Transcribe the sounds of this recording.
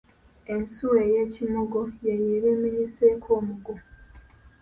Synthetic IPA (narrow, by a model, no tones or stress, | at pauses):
e̞nsuwejeːcimoɡojejeːɾeːmiɲiseːkʰoːmuɡo